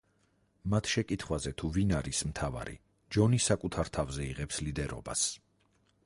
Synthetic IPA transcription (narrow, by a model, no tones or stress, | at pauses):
mat̪ʰʃɛkʼit̪ʰχwazɛt̪ʰuvinaɾismt̪ʰava̰ɾḭ | d͡ʒɔnisakʼut̪ʰaɾt̪ʰavzɛiʁɛpslid̪ɛɾɔ̰ba̰s